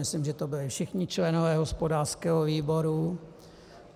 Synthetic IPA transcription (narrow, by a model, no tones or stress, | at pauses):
ɪslɪmʒɛt̪obɪlɪfʃɪxɲɪt͡ʃlɛnovɛːɦospodaːr̥skɛːɦoviːbo̞ɾu